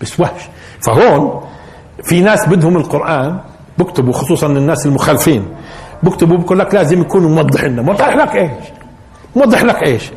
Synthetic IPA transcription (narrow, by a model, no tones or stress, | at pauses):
basːwaʃ | faɦoːn | finaːsbɪd̪hʊmɪlqʊɾʔaːn | bɪkt̪ɪbuxʊsˤuːsˤɑnɪnːaːsɪlmʊxaːlɪfiːnbɪkt̪ɪbubɪkuːlːaklaːzɪmjakuːnumʊwɑd̪ˤːɨħʔɪnːamwɑd̪ˤɪħlakʔeːʃ | mwɑd̪ˤːɨħlakʔeːʃ